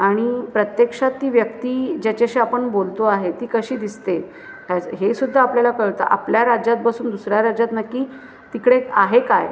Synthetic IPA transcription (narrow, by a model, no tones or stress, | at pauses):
aɽ̃ipɾət̪jekʂat̪ːiːʋjəkt̪iːd͡ʑat͡ɕaɕiapəɳbolt̪oaɦet̪iːkəɕiːd̪ist̪et̪ | ɦaɦesud̪ʱːaːpljalakəɭt̪a̰ʔa̰pljaɾad͡ʑat̪̚bəsuːnd̪usɾjaɾad͡ʑjat̪nakːiː | t̪ikɽeaɦekaj